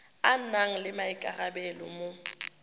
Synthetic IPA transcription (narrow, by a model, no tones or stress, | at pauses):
anaŋ̩lɪmaɪkʼarabɛlɔ̰mo